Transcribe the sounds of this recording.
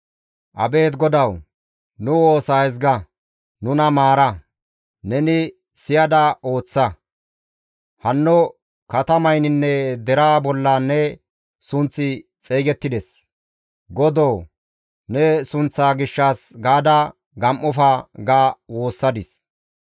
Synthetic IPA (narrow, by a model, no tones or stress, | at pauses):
ʔɐbe̞ːt̪ɡɔd̪ɐw | nʊwo̞ːsaːɛz̬ɡɐ | nʊnɐmaːɾɐ | nɛnɪ | sɪjɐd̪ɐo̞ːt͡sːɐ | hɐnːɔ | kɐt̪ɐmɐjnɪnːɛd̪ɛɾaːbɔlːɐnɛ | sʊnt͡sːɪt͡sʼeːɡɛt̪ːɪd̪ɛs | ɡɔd̪oː | nɛsʊnt͡sːaːɡɪʃːaːsɡaːd̪ɐ | ɡɐmʔɔfɐɡaːwo̞ːsːɐd̪ɪs